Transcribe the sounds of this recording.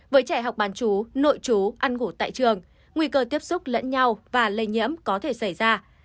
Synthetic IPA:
vəː˨˦jt͡ɕɛ˧˩ɦa˨˩wk͡p̚ɓaː˨˦nt͡ɕu˨˦no̰˧˨jt͡ɕu˨˦ʔa˧nŋu˧˩t̪a̰ː˧˨jt͡ɕɨ˨˩əŋː | wi˧kəː˧t̪i˦˥əp̚sʊ˦˥k͡p̚lə̰˧˥nɲa˧wvaː˨˩lə˧˩jɲḭ˧˥əmkɔ˨˦t̪ʰe˧˩sa˧˩jzaː˧

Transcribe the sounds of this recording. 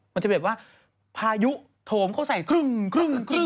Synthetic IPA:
ma˧nt͡ɕa˨˩b̪̚waː˥˩ | pʰaː˧ju˦˥ | t̪ʰoː˨˦mkʰa˥˩sa˨˩jkʰɾɯ˥˩ŋkʰɾɯ˥˧˩ŋkʰɾɯ˥˩

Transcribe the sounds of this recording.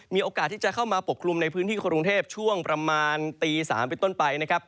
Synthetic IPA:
miː˧ʔoː˧kaː˨˩t̪ʰːiː˥˩t͡ɕa˨kʰa˥˩wmaː˧po˨˩k̚ʰlu˧mna˧jpʰɯː˦˥nt̪ʰiː˥˩kʰːku˧ŋt̪ʰeː˥˩p̚t͡ɕʰu˥˩əŋpɾa˧maː˧nt̪iː˧sa̰ː˩˦mp̬e˧nt̪o˥˩npa˧jna˦˥kʰa˦˥p̚

